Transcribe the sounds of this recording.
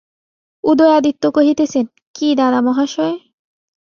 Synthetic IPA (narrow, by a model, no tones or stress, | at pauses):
ud̪ojad̪it̪ːokoɦit̪et͡ɕʰen | kid̪ad̪amɔɦaʃɔe